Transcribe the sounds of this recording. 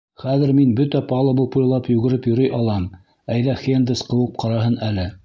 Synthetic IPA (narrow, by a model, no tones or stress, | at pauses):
χæðɘ̆ɾminbɵt̪æpɑlˠɤ̆bupujʲlˠɑpjʉɡɘ̆ɾɘpjɵ̆ɾɤjʔɑlˠɑm | æjðæfʲend̪ɘsqɤ̆wɤp̚qʰɑɾɑɦɤnælɘ